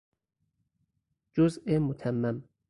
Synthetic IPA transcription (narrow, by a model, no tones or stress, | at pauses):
d͡ʒozemot̪ʰæmːæm